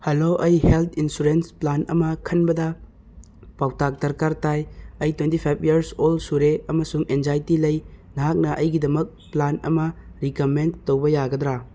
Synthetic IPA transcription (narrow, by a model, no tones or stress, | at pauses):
hɐloʔɐjhelt̪ʰinsuɾensplanɐmɐkʰɐnbɐdɐ | pawtʰak̚dɐɾkaɾtajɐjtwentipʰajpʰiɐɾsolsuɾeɐmɐsuŋenzajtilɐjnɐɦak̚nɐʔɐjɡidɐmɐk̚planɐmɐ | ɾikɐmentowbɐjaɡɐdɾa